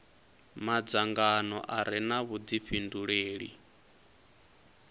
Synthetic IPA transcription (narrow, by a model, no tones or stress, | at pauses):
mad͡zaŋɡanɔ̰ʔaɾinaβud̪iɸʰinduɺeːɺḭ